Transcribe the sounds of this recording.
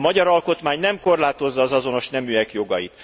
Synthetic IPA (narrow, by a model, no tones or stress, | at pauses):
mɒɟɒɾɒlko̞t̪maːɲnɛmko̞rlaːt̪ozːɒːzɒzo̞no̞ʃnɛmyɛkjo̞ɡɒjit̪